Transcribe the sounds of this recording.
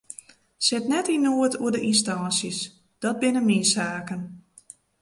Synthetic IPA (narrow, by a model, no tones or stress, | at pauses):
sɪtnɛtinuətʰuədəʔinstansjəs | d̥ɔt̚bɪnəmisaːkən